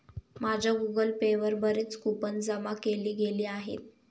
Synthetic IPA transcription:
mad͡ʑʱaɡuɡəlpeʋəɾbəɾeːt͡skupənd͡zəmakeliːɡeliːaɦḛt̪̚

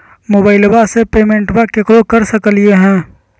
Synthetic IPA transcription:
moːbaːɪlbasepeːmẽɳʈbakekɾokəɾsəkəlieɦɛ̃ː

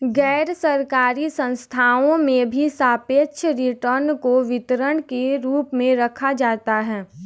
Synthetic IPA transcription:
ɡɛːɾsɐɾkaːɾisə̃nst̪ʰaːõmẽbʱisaːpeːʃʰəɾɪʈəɾnkoʋɪt̪ɾəɽkeɾuːpmẽɾɐkʰad͡ʒaːt̪aɦɛː

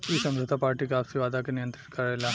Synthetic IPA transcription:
isɐ̃md͡ʑət̪ʰapaːɾʈikeaːpsiʋaːd̪ʱakenijənt̪ɾit̪kɐɾajla

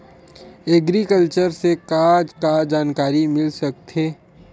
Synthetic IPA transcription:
ɛɡɾikəlt͡ʃəɾsekaːd͡ʒkad͡ʒaːnkaːɾimɪlsɐk̚t̪ɦeː

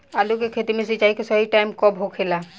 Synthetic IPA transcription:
alukekʰet̪imes̬id͡ʒajkesɔɦiʈajmkɔbɦokʰela

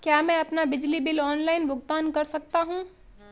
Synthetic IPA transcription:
kjaːmɛ̃ɐpnabɪd͡ʒlibɪlɔːnlaːɪnbʱʊɡt̪aːnkɐɾsɐk̚t̪aɦũː

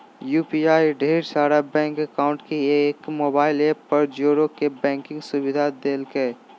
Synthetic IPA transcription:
juːpiaːiɖʱeːɾsaːɾabɛ̃ːŋkɐkaːʊ̃ɳʈkieːkmoːbaːɪlepɐɾd͡ʒoːɾokebɛ̃ːŋkɪ̃ŋɡsʊbɪd̪ʱad̪eːlke

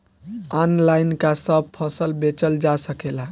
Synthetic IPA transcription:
ɔnlajnkasəb̚pʰəsəlbet͡ʃəld͡ʒasəkela

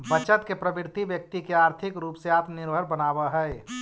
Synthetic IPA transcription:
bət͡ʃət̪kepɾəbɪɾt̪ibjək̚t̪ikeaːɾt̪ʰikɾuːpseaːpnɪɾbʱəɾbənaːbəɦəe

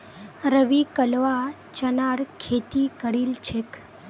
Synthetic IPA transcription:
ɾəʋikəlʋa | t͡ʃənaɽkʰet̪ikəɽilt͡ʃʰek

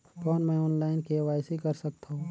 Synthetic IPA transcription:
kɔːnmɛ̃ɔːnlaːɪnkeʋaːjsikɐɾsɐk̚t̪aɦũː

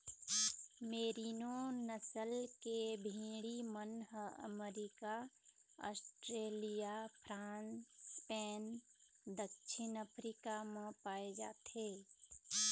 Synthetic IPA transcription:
meːɾiːnonəsəlkebʱĩːɽimənɦəə̰meɾika | ɔ̰ːsʈɾeːlijapʰɾãːnspɛːn | d̪əkʃʰɪnəpʰɾikamẽpaːed͡ʒa̰ːt̪ɦeː

